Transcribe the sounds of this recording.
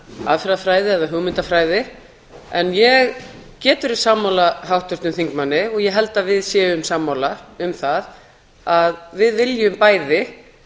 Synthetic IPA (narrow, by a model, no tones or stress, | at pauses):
a̰ðfɾðafɾaːjðɪɛðaɦʏɣmɪnt̪afɾaːjðɪ | ɛnjɛɣcɛːt̪ʏɾi̥saːmawlaɦawht̪ʏrt̪nʏmθiŋkmanːɪɔɣjɛɦɛl̪t̪avɪðsjɛːʏmsaːmːawlaʏmθað | aðvɪðvɪljʏmpaːjðɪ